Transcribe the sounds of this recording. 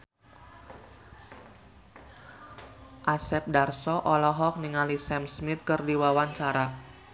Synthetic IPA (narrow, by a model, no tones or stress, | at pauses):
ʔasɛp̚darsɔʔɔlɔɦɔk̚niŋalisɛmsmɪt̪̚kɨrdiwawaɲt͡ʃaɾa